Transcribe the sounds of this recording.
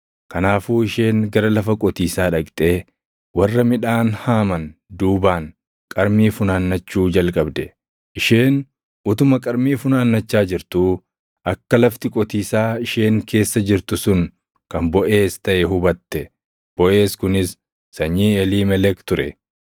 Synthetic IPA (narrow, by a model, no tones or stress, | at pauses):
kɐnaːfuːɪʃe̞ːŋɡɐɾɐlɐfɐkʼɔt̪iːsaːᶑɐkʼt̪ʼe̞ː | wɐrːɐmɪᶑaːnhaːmɐnd̪uːbaːŋ | kʼɐɾmiːfʊnaːnːɐt͡ʃːuːd͡ʒɐlkʼɐbd̪ɛ | ʔɪʃeːn | ʔʊt̪ʊmɐkʼɐɾmiːfʊnaːnːɐt͡ʃːaːd͡ʒɪɾt̪u | ʔɐkːɐlɐft̪ɪkʼɔt̪iːsaːɪʃe̞ːŋkʰe̞ːsːɐd͡ʒɪɾt̪ʊsʊn | kɐmbɔʔe̞ːst̪ɐʔɛɦʊbɐt̪ːɛ | b̥ɔʔe̞ːskʊnɪsː | ɐɲːiːɛliːmɛlɛkt̪ʊɾɛ